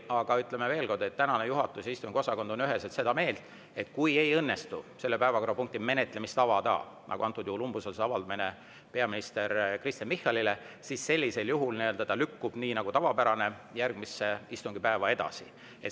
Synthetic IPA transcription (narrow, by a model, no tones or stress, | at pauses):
ɑɡ̥ɑyt̪ːˑle̞meve̞ːlko̞rd̪̥e̞t̪ːænɑnejuɦɑt̪ːˑusjɑist̪uŋɡio̞sɑko̞nd̪̥onyɦeset̪se̞d̪ɑme̞ːlt̪ˑ | e̞t̪kuje̞jɤnːe̞st̪use̞lːepæevɑko̞ɾɑpuŋk̚t̪ime̞net̪ːˑle̞mist̪ɑvɑd̪ɑ̰ː | nʔɑ̰ɡṵɑnt̪ːˑud̪juhulumbuselseɑvɑld̪̥ɑmine | pe̞ɑminist̪e̞ɾkrist̪jɑnmihːɑlile | sisːe̞lʲːise̞ljuɦulniø̞ld̪̥ɑt̪ɑlykːub̥niːnɑɡ̥ut̪ɑvɑpæɾɑne | jærɡ̥̚misːe̞ist̪uŋɡ̥ipæevɑe̞d̪̥ɑ̰si | et̪